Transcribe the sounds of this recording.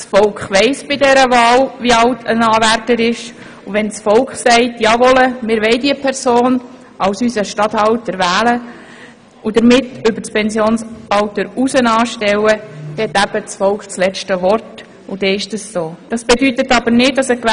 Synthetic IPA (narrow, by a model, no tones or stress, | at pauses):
sfɔlkχʋɛɪsb̥ɪdɛɾəvɑːlʋiɑltʰə̰nɑːvæɾtəɾɪʃ | uʋɛnt͡sfɔlkχsɛɪtjɑːʋɔləmɪːɾʋɛɪdiəpʰɛɾsoːn | ʔɑwsysəʃtɑthɑltəɾvæːlə | ud̥̪əɾmɪtʏbəɾspɛnsjoːnsɑltəɾusənɑːʃtɛwəd̥̪ɛt̪ːæb̥ət͡sfɔlkχt͡slɛt͡ʃtəʋɔrt | ud̥ɛːɪʃd̥əssoːd̥ɑsb̥ɛdytətɑbəɾnɪd̚dɑsəkʋ